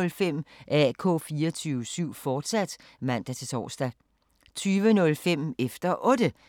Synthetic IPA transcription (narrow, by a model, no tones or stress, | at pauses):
lfem̰ʔækʰɔ̰̽ːfiːɐt͡sʰyːʊəsyʊ̰fɒːd̥sæd̥ | mæn̰d̥æt͡sʰe̝t͡sʰɒ̰ːsd̥æ | t͡sʰyːʋənɔ̽lfem̰efd̥ɐʔɔ̽ːd̥ə